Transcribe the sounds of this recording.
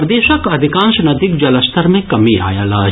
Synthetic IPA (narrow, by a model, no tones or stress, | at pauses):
ɾd̪eːʃəkɐd̪ʱɪkãːnʃnɐd̪ɪkd͡ʒɐləst̪ʰəɾmẽkɐmiʔa̰ːja̰ːlaː